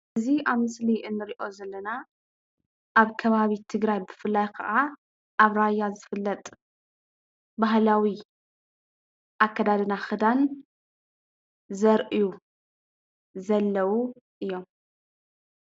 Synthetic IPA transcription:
ɨziʔaβmɨsliʔɨnːɨɾiʔo̞zɐlːɐna | ʔaβkʰɐβaβit̪ʰɨɡɾajbɨfɨlːajkʰɐ̰ʔa | ʔaβɾajːazɨfɨlːɐt̪ʼ | bahlawi | ʔakːɐd̪ad̪ɨnaxɨd̪an | zɐɾʔiju | zɐlːɐwu | ʔɨjːo̞m

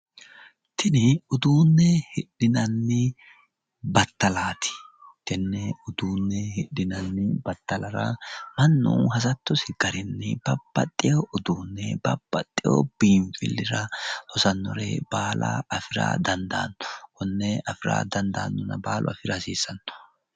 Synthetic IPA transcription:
t̪ɪnɪʊd̪uːnːɛhɪɗɪnɐnːɪ | bɐt̪ːɐlaːt̪ʰɪ̥t̪ɪnːɛʊd̪uːnːɛhɪɗːɪnɐnːɪbɐt̪ːɐlɐɾɐ̰mɐnːṵːhɐsɐt̪ːɔsɪɡ̥ɐɾɪnːɪb̥ɐbːɐt̪ʼːɪjoʔʊd̪uːnːɛbɐb̥ːɐt̪ʼːɪjo̰b̥iːɱfɪ̰lːɪɾɐhɔsɐnːɔ̰ɾɛ̰b̥aːlɐ̰ɐfɪɾa̰ːd̪ɐnd̪a̰ːnːʊ̥ʔɔnːɛɐfɪɾa̰ːd̪ɐnd̪a̰ːnːʊnɐbaːlʔɔ̰ɐ̰fɪɾɐsiːsːɐnːʊ̥

